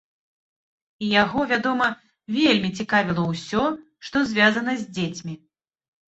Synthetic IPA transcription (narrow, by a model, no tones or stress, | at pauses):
ijaɣɔvʲad̪ɔmɐ | vʲelʲmʲit͡sʲikavʲilˠɐwsʲɔ | ʂt̪ɔzʲvʲazɐnɐzʲd͡zʲet͡sʲmʲi